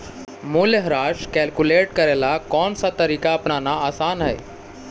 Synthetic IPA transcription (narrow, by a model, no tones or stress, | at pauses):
muljəɦɾaːʃkɛːlkuleːʈkəɾelakɔːnsat̪əɾiːkaɐpnanaaːsaːnɦɛ̰j